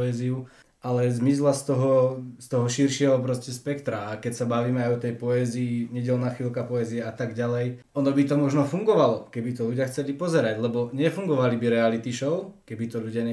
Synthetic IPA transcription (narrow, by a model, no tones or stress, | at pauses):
ɛːziu | alɛzmislast̪ɔɦɔst̪ɔɦɔʃiɾʃɪɛɦɔpɾɔscɛspɛkt̪ɾaakɛcsabaʋiːmɛajɔt̪ɛjpɔɛziːɲɛɟɛlnaːxʋilkapɔɛziɛat̪aɡɟalɛj | ɔnɔbit̪ɔmɔʒnɔfuŋɡɔʋalɔkɛbit̪ɔʎuɟɪaxt͡sɛlipɔzɛɾaɟlɛbɔɲɛfuŋɡɔʋalibiɾɛalit̪iʃɔʊkɛbit̪ɔʎuɟɪaɲɛ